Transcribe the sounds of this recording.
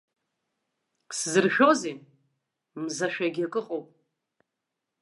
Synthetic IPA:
szɨrʃᶣo̞ze | mzaʃᶣaɡʲiakʼɨqʼowpʼ

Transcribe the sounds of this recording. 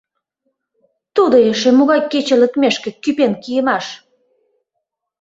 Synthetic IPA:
t̪ud̪oeʃĕmuɣɑjkːet͡ɕĕlə̆kmeʃkĕkypenkijəmɑʃ

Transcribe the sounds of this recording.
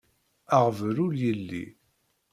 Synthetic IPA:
aʁvɾuljəlːḭ

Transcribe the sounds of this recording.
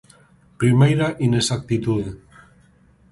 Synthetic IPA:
pɾimejɾaʔinesak̚t̪it̪uðe

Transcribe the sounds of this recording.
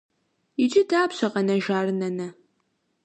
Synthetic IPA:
ɪd͡ʒʼɪdaːpɕɐqɐnɐʒaːrɨnɐnɐ

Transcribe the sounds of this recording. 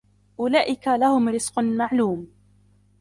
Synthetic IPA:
ʔʊlaːʔɪkalahʊmɾɪz̥qmaʕluːm

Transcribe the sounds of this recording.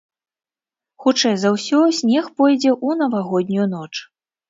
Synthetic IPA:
xut͡ʂɛjzɐwsʲɔsʲnʲɛxpɔjd͡zʲɛʔun̪ɐvaɣɔd̪ʲnʲujun̪ɔt͡ʂ

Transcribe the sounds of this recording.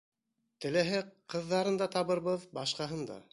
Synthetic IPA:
t̪ɘ̆læɦɘqɤ̆ðːɑɾɤnd̪ɑt̪ɑβɤ̆ɾβɤðbɑʃqɑɦɤnd̪ɑ̰

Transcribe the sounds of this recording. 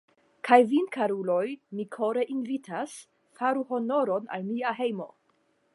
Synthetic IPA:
kʰajvinkʰaɾulo̞jmikʰo̞ɾe̞ʔinvitʰas | faɾuho̞no̞ɾo̞na̰lmiaɦe̞jmo̞̰

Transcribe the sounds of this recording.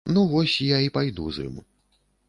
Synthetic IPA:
nuvɔsʲjaipajd̪ṵzɨ̰mṵ

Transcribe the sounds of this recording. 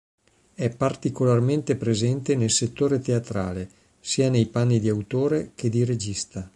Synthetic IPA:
ɛpːart̪ikolarment̪epɾezɛnt̪enelset̪ːoːɾet̪eat̪ɾa̰ːle | siːanejpanːid̪iawt̪oːɾek̟ed̪iɾed͡ʒist̪a

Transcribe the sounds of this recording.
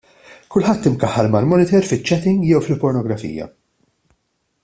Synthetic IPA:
kʊlħɐt̪ːɪmkɐħːɐɾmɐlmɔnɪt̪ɛɾfɪt͡ʃːɛt̪ɪ̃ŋɡjɛwfɪlpɔɾnɔɡɾɐfḭːjɐ̰

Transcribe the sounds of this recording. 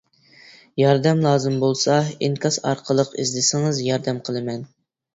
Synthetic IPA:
jɑɾd̪ɛmlˠɑːzɨmbolˠsɑiŋkɑsɑ̰ɾqʰəlˠəqḭzlɪsɪŋɨzjɑɾd̪ɛmqʰəlˠɨmɛn

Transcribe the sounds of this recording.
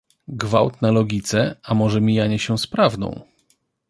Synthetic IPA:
ɡvawt̪nalɔɡʲit̪sɛamɔʐɛmʲijaɲɛɕɛ̃spɾavd̪ɔ̰̃w̃

